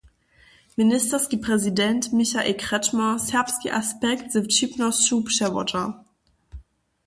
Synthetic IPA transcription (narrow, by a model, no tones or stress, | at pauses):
mɪnɪstɐskipʁ̥ɛzidɛntmɪçaʔḛːlkʁ̥ɛtmɐsɛɐpskiʔaspɛktz̥ɪt͡ʃipnɔsʃuːpʃɛvɔ̰tɐ